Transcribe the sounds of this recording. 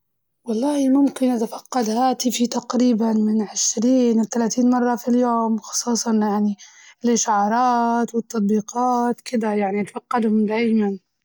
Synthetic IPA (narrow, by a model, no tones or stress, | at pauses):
wɑlˤːɑːhimʊmkɪnʔat̪afaqːɑd̪haːt̪ifit̪ɑqɾiːbanmɪnʕɪʃɾiːnt̪alaːt̪iːnmɑrˤːɑfiljoːmwxɑ̥sˤuːsˤɑnjaʕni | lɪʃaʕɑːɾˤɑːt̪wɪt̪ːɑt̪̚ˤbiːqɑːt̪kɪd̪ajaʕnit̪faqːɑd̪hʊmd̪aːjman